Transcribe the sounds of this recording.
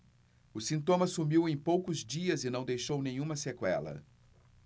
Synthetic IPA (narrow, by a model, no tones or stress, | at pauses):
ʊsĩnt̪õmɐsumiwẽj̃powkʊzd͡ʒiɐzɪnɐ̃w̃d̪ejʃownẽɲ̃ũmɐsekwɛ̰lɐ̰